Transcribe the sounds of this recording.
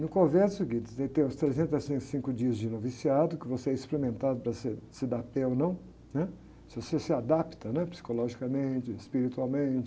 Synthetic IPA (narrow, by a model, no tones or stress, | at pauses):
nʊkõvɛɾʊseɡĩt͡ʃ̪ɪɛt̪ẽj̃ʊ̃st̪ɾezẽnt̪ɐsĩsĩkʊd͡ʒiɐzd͡ʒɪnovisiad̪ʊkɪvoseɛisplemẽnt̪ad̪ʊpɾɐsesɪd̪apɛonɐ̃w̃ | nɛ | sɪvosesɪad̪apt̪ɐnɛpsi̥kolɔʒikɐmẽt͡ʃɪɪspiɾit̪uawmẽt͡ʃɪ̥